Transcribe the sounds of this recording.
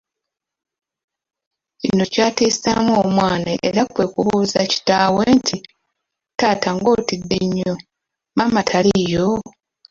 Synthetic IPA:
ino̞caːtiːsamwomwaːnaʔeɾakwe̞kuβuːzaci̥taːweːntʰi | taːtaŋɡo̞tidːe̞ɲːo̞ | mamatʰalijo̞

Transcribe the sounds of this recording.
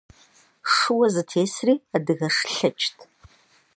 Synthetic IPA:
ʂɨwɐzɨtʰeːsriːadɨɣɐʂɬɐt͡ʃʼtʰ

